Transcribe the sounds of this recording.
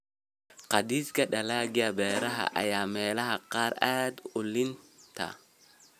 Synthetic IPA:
qɑd̪iːskɐɗɐlaːɡɪɐbɛːɾɐɦɐ̰ʔɐ̰jaːmɛːlɐɦɐqɑːɾaːd̪ʊlɪnt̪ʰɐ̰

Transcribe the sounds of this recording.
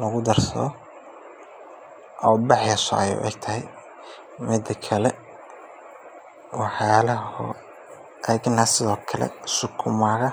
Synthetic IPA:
lɐɣʊd̪ɐrsɐ̰ðɔ | ʔɔːbɑħjɐsɔ̰ɐjʊ̰ʔɛ̰ɡ̚t̪ʰɐɦɛj | mɪd̪ɐkʰɐlɛ | wɑħjaːlɐhɔ̰ | ʔɛɡnɐsɪðɔːkʰɐlɛ̰sʊkʰʊmaːɣɐ

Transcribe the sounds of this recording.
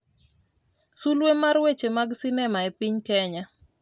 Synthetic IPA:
sulwemarwet͡ʃemaɡsinɛmaɛpiɲkɛɲa

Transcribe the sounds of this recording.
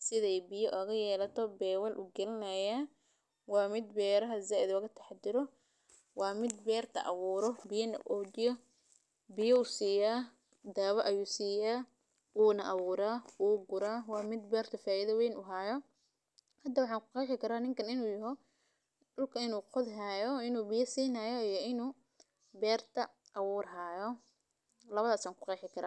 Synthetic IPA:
sɪðɛjbɪjɔʔɐɣɐjɛːlɐt̪ʰɔbɛːwɐlʔʊ̰ɡɛlɪnɐjaː | wɑːmɪd̪bɛːɾɐɦɐzaːʔɪðɣɐt̪ʰɐ̥ħɑd̪ɪɾɔ | wɑːmɪd̪bɛːrt̪ʰɐ̰ʔɐ̰βuːɾɔbɪjɐnɐʔɔːd͡ʒɪjɔ | bɪjɔusiːjaː | d̪aːβɐʔɐjuːsiːjaː | wuːnɐʔɐβuːɾaːwuːɡʊɾaːwɑːmɪd̪bɛːrt̪ʰɐfaːɪðɐwɛjnʊɦaːjɔ | hɐd̪ːɐwɑħɑːŋkʰʊ̥qɑjħɪkʰɐɾaːnɪŋkʰɐnɪnuːjɐɦɔ | dʊlkʰɐɪnuːqʊðɦaːjɔɪnuːbɪjɐsiːnaːjɔijɔɪnuː | bɛːrt̪ʰɐ | ʔːwuːrɦaːjɔ | lɐβɐðaːsaːŋkʰʊ̥qɑjħɪkʰɐɾa̰ː

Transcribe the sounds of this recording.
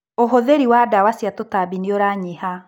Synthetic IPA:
oɦoðeɾiwadawasjatotabinioɾaɲiha

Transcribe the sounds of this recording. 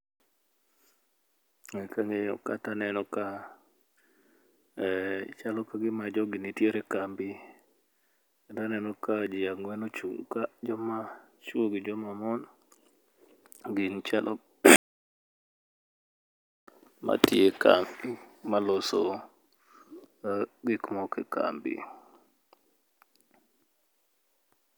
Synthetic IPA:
ŋɛkaŋeɔ̰katanɛnɔka | t͡ʃalɔkaɡɪmad͡ʒɔɡɪnitjeɾekambi | ktanɛnɔkad͡ʒɪjaŋwɛnot͡ʃuŋkad͡ʒɔma | t͡ʃuoɡid͡ʒɔmamɔn | ɡɪnt͡ʃalʔɔ | mʔa̰tjeka̰mimalɔso | kaɡɪkmɔkɛ̰ka̰mbḭ

